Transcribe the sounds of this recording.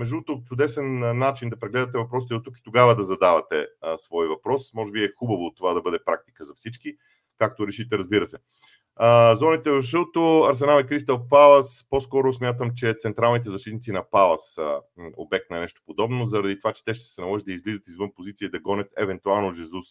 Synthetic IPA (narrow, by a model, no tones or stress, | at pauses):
mɛʒut̪ot͡ʃʊd̪ɛsɛnnːat͡ʃind̪ɐpɾɛɡlɛd̪ɐt̪ɛvɐpɾɔsi̥t̪ɛot̪ːuki̥t̪oɡavəd̪ɐzɐd̪avɐt̪ɛsvɔjvɐpɾɔsmɔʒɛbiɛxubɐvoːt̪ːovad̪ɐbɤd̪ɛpɾak̚t̪i̥kəzɐfsit͡ʃki | kak̚t̪oɾɛʃit̪ɛɾɐzbiɾəsɛ | zɔnit̪ɛvɐfʒəlˠt̪oɐɾs̬ɛnalˠikɾist̪əlpalˠəsposkɔɾosmʲjat̪̬əmt͡ʃɛt̪sɛnt̪ɾalˠnit̪ɛzɐʃt̪it̪nit̪sinɐpalˠɐso̰bɛk̚t̪nɐnɛʃt̪o̥pod̪ɔbnozɐɾɐd̪it̪ovat͡ʃɛ̥t̪ɛʃt̪ɛ̥sɛnɐlɔʒit̪d̪əizlizət̪izvɤnpozit̪sijəid̪ɐɡɔnʲət̪ɛvɛnt̪ualˠnoʒɛzus